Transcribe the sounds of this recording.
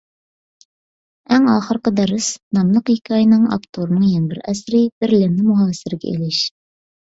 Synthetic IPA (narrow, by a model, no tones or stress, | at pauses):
æŋɑːχəɾqəd̪æɾɨsnɑmlˠəqikʲʰiɑjnɨɴɑ̰pt̪ʰoɾnɨŋjɛnbɪɾʔæsɾɪb̥ɪɾlɪmnɪmuɦɑːsɪɾɪɡʲɛ̰ḭlɪʃ